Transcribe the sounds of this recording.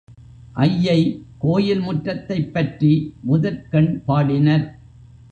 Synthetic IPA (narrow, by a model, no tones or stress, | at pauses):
ʔɐjːɐɪkoːjɪlmʊʈrːɐt̪ːɐɪpːɐʈrimʊðɐɾkɐɳpaːɽɪnɐɾ